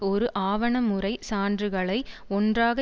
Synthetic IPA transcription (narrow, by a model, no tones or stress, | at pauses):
ɔɾɯʔaːʋɐɳɐmɯɾɐɪsaːndrɯɣɐɭɐɪ | ɔndraːɣɐ